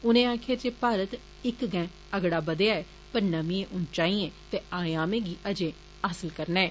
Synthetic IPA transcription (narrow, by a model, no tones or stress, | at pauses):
ʊnẽːaːkʰeːd͡ʒeːpaːɾət̪ | ɪkɡɛ̃ː | əɡɽaːbəd̪eaːɛː | pəɾnəmĩẽːʔʊnt͡ʃaːiɛ̃ːt̪eːaːjaːmẽːɡiːʔəd͡ʒẽː | aːsəlkəɾnɛɛː